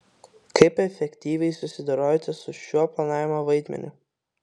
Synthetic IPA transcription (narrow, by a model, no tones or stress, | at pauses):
kɐɪpɛfʲɛkʲt̪ʲiːʋʲɛɪsʊsʲɪd̪ɐɾoːjɛt̪ʲɛsʊʃʲuɔplˠɐnɑːʋʲɪmoːʋɐɪd̪ʲmʲɛ̰nʲʊ